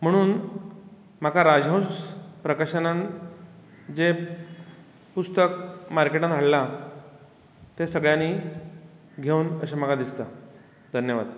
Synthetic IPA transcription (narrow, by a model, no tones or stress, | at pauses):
m̤əɽ̃uːn | m̤akaɾad͡ʑɦə̃wspɾəkaɕənan | d͡ʑe | pust̪əkmaɾkeʈanʰʱaɽla | t̪esəɡɭjãni | ɡʱeuːnəɕem̤aɡad̪ist̪ə | d̪ʱənjəʋa̰d̪